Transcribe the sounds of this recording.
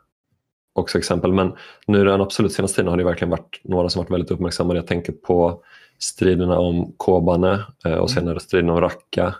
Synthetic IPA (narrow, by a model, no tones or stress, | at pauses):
ɔksɔɛksɛmpəlmɛnnʉ̟ːæɾɛanab̥sɔlʉ̟t̪seːnast̪ʰiːd̪nhaɖɛjəvæɾklɪɡənvaʈnoːɾasɔmvaʈːvɛld̪ɪt̪ɵpːmæɾksamːad̪əjaɡt̪ɛŋkəɾpʰɔ | st̪ɾiːd̪əɳaɔmkʰoːbanəɔ̰seːnaɾəst̪ɾiːd̪naɔmɾakʰːa